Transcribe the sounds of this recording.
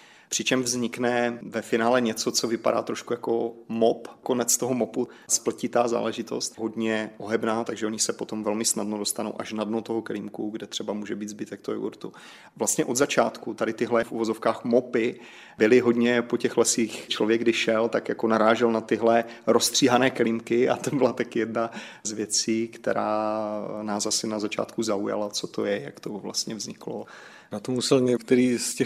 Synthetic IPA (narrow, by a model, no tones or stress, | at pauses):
pr̝̥ɪt͡ʃɛmvzɲɪknɛvɛfɪnaːlɛɲɛt͡sot͡sovɪpa̰da̰ːt̪ɾoʃkujakomopko̞nɛt͡st̪o̞ɦomopu | spl̩cɪt̪aːza̰ːlɛʒɪt̪o̞̰st̪ɦodɲɛʔoɦɛbnaːt̪aɡʒɛʔo̞ɲɪsɛpot̪omvɛlmɪsnadnodost̪anowʔaʃnadnot̪oɦokliːmkuɡdɛt̪r̥ɛbamuːʒɛbiːd̪zbɪt̪ɛk̚t̪oʔṵɾt̪ṵ | vlast̪ɲɛʔo̞d̪zat͡ʃaːt̪kut̪adɪt̪ɪɦlɛfʔṵvozofkaːxmopɪ | bɪlɪɦo̞dɲɛpo̞cɛxlɛsiːxt͡ʃlo̞vjɛɡdɪʃɛlt̪akjakonaɾaːʒɛlnat̪ɪɦlɛɾost̪r̝̥iːɦanɛːkɛlimkɪa̰t̪obɪlat̪akjɛdna | zvjɛt͡siːkt̪ɛ̰ɾaːnaːsasɪnazat͡ʃa̰ːt̪kuzauja̰lat͡sot̪o̞jɛja̰kt̪ovla̰st̪ɲɛvzɲɪklo | nat̪omusɛlɲɛkt̪ɛɾiːscɛ